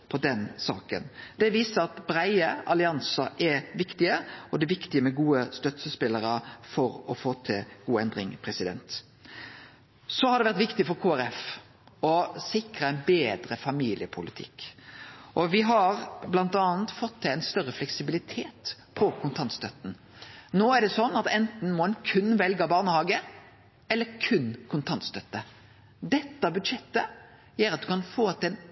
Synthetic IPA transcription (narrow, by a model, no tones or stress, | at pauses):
pʰɔd̪ɛnsɑ̰ːkə̰nd̪̥ɛʋiːsəɾɑt̪bɾæɪəɑlɪɑnsɑʔɛɾʋɪkt̪ɪəɔd̪ɛʋɪkt̪ɪəmɛɡuːəst̪œt̪səspɪlːəɾəfɔɾɔfoːt̪ʰɪlɡuːɛnd̪ɾɪŋpʰɾɛsɪd̪ɛ̰nt̪ | sɔhɑɾd̪ɛʋæɾt̪ʋɪkt̪ɪfɔɾkʰuːæɾɛf | ɔsɪkɾəæɪnbeːd̪ɾəfɑmiːlɪəpʰʊlɪt̪ʰɪ̰kː | ʔɔʋɪɦɑɾblɑnt̪ɑːnt̪fɔt̪ʰːɪlæɛɪnst̪œʁːəflɛksɪbɪlɪt̪ʰeːt̪pʰɔkʰʊnt̪ʰɑnt̪st̪œt̪n̩ | noːæɾɖɛsɔnːɑt̪ɛnt̪n̩mɔɛnkʰʉnːʋɛlɡɑbɑːʁnəhɑːɡə | ɛlːəɾkʰʉnkʰʊnt̪ʰɑnt̪st̪œt̪ːə | d̪ɛt̪ːɑbʉd̪ʂɛt̪ːə | jæːɾɑt̪̚d̪ʉkɑnfoːt̪ːɛn